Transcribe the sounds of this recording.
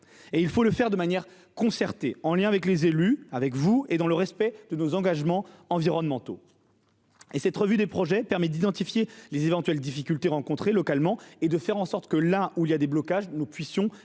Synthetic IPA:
eilfoləfɛʁd̪əmanjɛʁ | kɔ̃sɛʁt̪eɑ̃ljɛ̃avɛklezelyavɛkvued̪ɑ̃ləʁɛspɛd̪̥ənozɑ̃ɡaʒmɑ̃ɑ̃viʁɔnmɑ̃t̪o | esɛt̪ʁəvyd̪epχɔʒɛpɛʁmɛd̪id̪ɑ̃t̪ifjelezevɑ̃t̪ɥɛld̪ifikʲylt̪eʁɑ̃kɔ̃t̪χelɔkalmɑ̃ed̪əfɛʁɑ̃sɔʁt̪kəlauiljad̪eblɔkaʒnupɥisjɔ̃

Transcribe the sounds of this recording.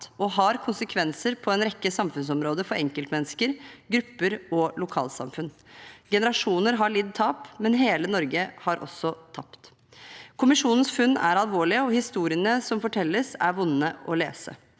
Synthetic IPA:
ʔɔɦɑɾkʰʊnsəkʰʋɛnsəɾpʰɔɛnɾɛkːəsɑmfʉns̬ɔmɾoːd̪əfɔɾʔɛŋkəlt̪mɛnːəskəɾɡɾʉpːəɾɔlʊkʰɑ̰ːlsɑ̰mfʉn | ɡɛnəɾɑʂuːnəɾɦɑɭɪd̪t̪ʰɑːpmɛnɦeːlənɔɾɡəhɑɾʔɔ̰sːɔt̪ʰɑpt̪ | kʰʊmɪʂuːnn̩sfʉnːæ̰ɾɑlʋoːɭɪəɔhɪst̪uːɾɪənəsɔmfɔʈʰɛlːəsæ̰ɾʋʊnːəʔɔlḛːsə̰

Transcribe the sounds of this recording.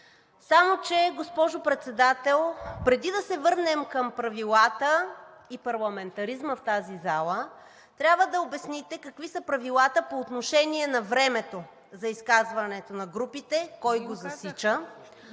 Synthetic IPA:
samot͡ʃɛɡospɔʒopɾɛt̪sɛd̪at̪ɛlˠpɾɛd̪id̪ɐsɛvɤɾnɛmkɐmpɾɐvilˠat̪ə | ipɐɾlˠɐmɛnt̪ɐɾizməft̪azizalˠə | t̪ɾʲjabvəd̪ɐobɛsnit̪ɛkɐkvisəpɾɐvilˠat̪əpoːt̪noʃɛniɛnɐvɾɛmɛt̪o | zɐiskazvɐnɛt̪onɐɡɾupit̪ɛkɔjɡozɐsit͡ʃə

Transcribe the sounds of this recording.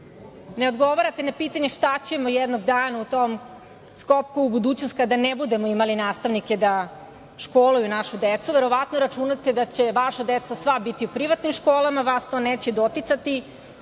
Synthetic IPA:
ne̞o̞d̪ɡo̞ʋaɾat̪enapiːt̪aɲe̞ʃt̪at͡ɕe̞mojed̪no̞ɡd̪aːnaut̪om | skop̚kuubud̪uːt͡ɕnost̪̚kad̪anebud̪e̞moimalinaːst̪aʋnike̞d̪a | ʃkoːlˠujunaʃud̪et̪suʋe̞ɾo̞ʋat̪noɾat͡ʃunat̪ed̪at͡ɕe̞ʋaʃad̪et̪sasʋabit̪iupɾiʋat̪nimʃkoːlˠamaʋast̪o̞ːneːt͡ɕed̪o̞t̪it̪sat̪i

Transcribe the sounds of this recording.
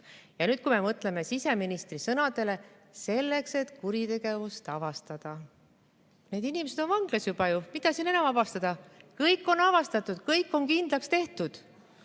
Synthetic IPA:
jɑnyːd̪̥̚kume̞mɤt̪ˑle̞me̞sise̞minist̪risɤnɑd̪̥e̞le̞ | se̞lːe̞kse̞t̪kuɾit̪e̞ɡ̥e̞vust̪ɑvɑst̪ɑd̪̥ɑ | ne̞ːd̪inimese̞d̪̥o̞nvɑŋɡ̥lɑsjubɑjumit̪ɑsinenɑmɑbɑst̪ɑd̪̥ɑkɤjkːˑo̞nɑvɑst̪ɑt̪ːˑud̪̥kɤjkːˑo̞nkind̪lɑkst̪e̞ht̪ud̪̥

